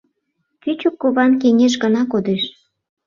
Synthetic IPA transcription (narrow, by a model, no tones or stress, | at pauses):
kyt͡ɕukːoβɑnk̬eŋʲeʃ̬ɣənɑkod̪eʃ